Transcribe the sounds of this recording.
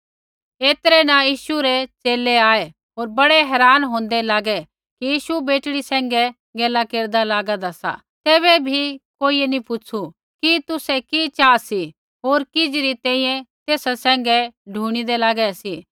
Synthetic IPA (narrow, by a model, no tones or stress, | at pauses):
eːt̪ɾɛnãjiːʃuɾɛt͡ʃeːlɛaːe | ɦoːɾbɐɽɛɦɛːɾaːnɦõːn̆d̪ɛlaːɡɛ | kijiːʃubeːʈɽisɛ̃ːŋɡɛ | ɡeːlakeːɾd̪alaːɡad̪asa̰ | t̪eːβɛbʱikoːiɛnĩpʊt͡ʃʰu | kit̪ʊsɛkit͡ʃaːsi | ɦoːɾkɪd͡ʒɾit̪ɛ̃ːĩjɛ̃t̪eːsasɛ̃ːŋɡɛɖʱuːɽ̃id̪ɛlaːɡɛsi